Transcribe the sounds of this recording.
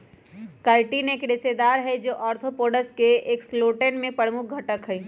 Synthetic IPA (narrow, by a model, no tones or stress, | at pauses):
kaːɪʈineːkɾɪsed̪aːɾɦɛd͡ʒoːʔɔːɾt̪ʰopoːɖəskeeːksloːʈənmẽpəɽmʊk̚ʰɡʱɐʈəkɦɛi